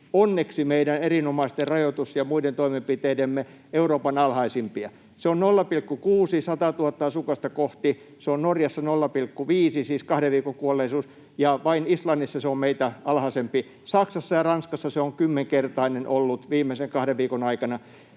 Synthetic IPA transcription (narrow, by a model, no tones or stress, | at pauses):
onːeksimeidænerinomɑist̪errɑjot̪usjɑmuident̪oimempit̪eidemːe | euroːpɑnɑlhɑisimpiɑ | seonnolːɑpilkːukuːsisɑt̪ɑt̪uhɑt̪ːɑɑsukɑst̪ɑkoht̪i | seonnorjɑsːɑnolːɑpilkːuʋiːsisiːskɑhɾeʋʋiːkoŋkuolːˑeisuːs | jɑʋɑinislɑnːisːɑseommeit̪æɑlhɑsempi | sɑksɑsːɑjɑrɑnskɑsːɑseoŋkymːeŋkert̪ɑinenʔolːut̪ʋiːmːˑeseŋkɑhɾeʋʋiːkonɑikɑnɑ